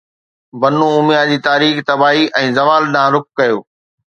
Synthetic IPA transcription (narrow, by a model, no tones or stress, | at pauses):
bɐnũʊmjad͡ʑiːt̪aːɾiːxt̪ɐbaːɦiʔɛ̃ːzɐʋaːlɗãːɾʊk̚ːɐjoː